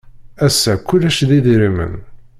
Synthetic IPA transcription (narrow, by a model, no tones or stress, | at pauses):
æsːækːʊlːæʃðiðiɾimə̰n